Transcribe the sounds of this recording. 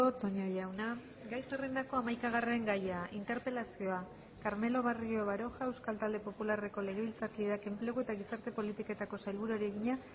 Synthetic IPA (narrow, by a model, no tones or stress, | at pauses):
ot̪o̞ɲojawna | ɡajserend̪ako̞amajkaɣ̞are̞ŋɡajaint̪e̞ɾpe̞lasio̞a | kaɾme̞lo̞βario̞βaɾo̞xae̞wskalt̪ald̪e̞po̞pulare̞ko̞le̞ɣe̞β̞ilt͡saɾkiðeake̞mple̞ɣue̞t̪aɣ̞isaɾt̪e̞po̞lit̪ike̞t̪ako̞sajlβuɾoɾieɣiɲa